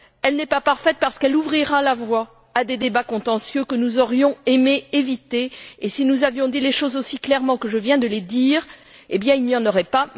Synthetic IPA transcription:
ɛlnɛpapaʁfɛt̪̚paʁsə̥kɛluvʁiʁalavwa | ad̪ed̪ebakɔ̃t̪ɑ̃sjøkənuzɔʁjɔ̃emeevit̪eesinuzavjɔ̃d̪ileʃozosiklɛʁmɑ̃kəʒəvjɛ̃d̪əled̪iːʁebjɛ̃ilnijɑ̃nɔʁɛpa

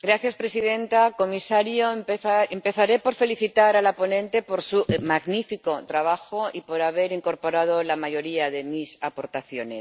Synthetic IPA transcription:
ɡɾaθjaspɾe̞sið̞ẽ̞nt̪ako̞misaɾjompeθaempe̞θaɾe̞po̞ɾfe̞liθit̪aɾalapo̞nẽ̞nt̪e̞po̞ɾsumaɣnifiko̞t̪ɾaβaxoipo̞ɾaβ̞e̞ɾiŋko̞ɾpo̞ɾað̞o̞lamaʝo̞ɾiaðe̞misapo̞ɾt̪aθjo̞ne̞s

